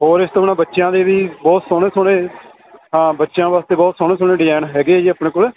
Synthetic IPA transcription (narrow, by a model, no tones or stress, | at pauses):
ɦoːɾɪst̪opnãːbətːʃjãːd̪eːʋiːbɔːt̪sɔːɽ̃eːsɔɽeː | ɦãːbətːʃjãːʋaːst̪eːbɔːt̪sɔːɽ̃eːsoːɳeːɖɪɛːnɦɛːɡeːd͡ʒiːaːpɳeːkoːleː